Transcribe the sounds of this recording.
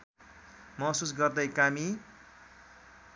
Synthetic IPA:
mʌɦsusɡʌrd̪ʌjkami

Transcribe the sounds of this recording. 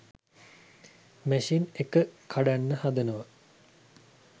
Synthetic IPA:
mæʃinekəkʰaɖanːəhad̪ənəʋə

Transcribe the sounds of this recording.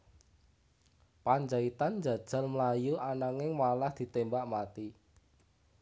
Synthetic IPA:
paɲd͡ʒait̪and͡ʒa̤d̥ʒ̥a̤lməlajuʔanaŋɪŋmalahd̪̥i̤t̪embaʔmat̪i

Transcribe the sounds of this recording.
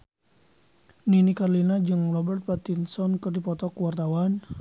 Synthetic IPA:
ninikarlinad͡ʒɨŋrɔbɛrt̪̚pat̪insɔnkɨrdipɔt̪ɔkuwart̪awan

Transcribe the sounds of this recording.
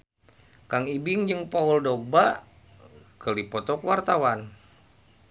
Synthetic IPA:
kaŋibiŋd͡ʒɨŋpauldɔk̚ba | kəlipɔt̪ɔkwart̪awan

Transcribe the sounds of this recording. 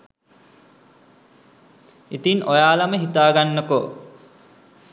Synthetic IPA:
it̪inojaːlaməɦit̪aːɡanːəko

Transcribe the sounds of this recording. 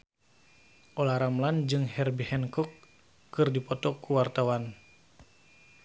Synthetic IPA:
ʔolaɾamland͡ʒɨŋhɛrbihɛnkɔkː | ɨrdipɔt̪ɔkuwart̪awan

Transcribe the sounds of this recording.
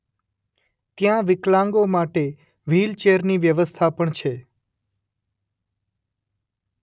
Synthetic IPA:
t̪jãʋɪklãŋɡomaʈe | ʋilt͡ʃeɾniʋjəʋəst̪ʰapəɳt͡ʃʰe

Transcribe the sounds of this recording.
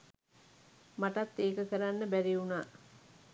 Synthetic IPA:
maʈat̪ːeːkəkəɾanːəbæɾiunaː

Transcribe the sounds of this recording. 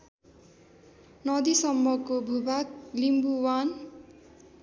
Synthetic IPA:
nʌd̪isʌmːʌkobʱubaklimbuwan

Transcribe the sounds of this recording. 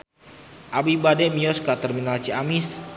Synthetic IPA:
ʔabibadɛmiɔskat̪ərminalt͡ʃiamis

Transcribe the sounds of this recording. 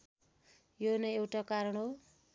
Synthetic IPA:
jonʌewʈakaɾʌɽɦo

